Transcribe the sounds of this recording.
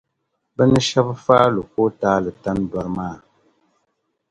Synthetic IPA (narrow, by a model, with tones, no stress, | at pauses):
bɛ˦nə˦ʃa˦bfaː˦lu˨k̚o˦taː˦lɨ˨ta˦nba˨ɾmaː˦˨